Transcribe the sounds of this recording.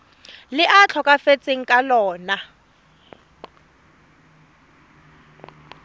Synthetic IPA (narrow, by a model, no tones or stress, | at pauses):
lɪʔat͡ɬʰɔkʼafet͡sʼeŋ̩kʼalɔːna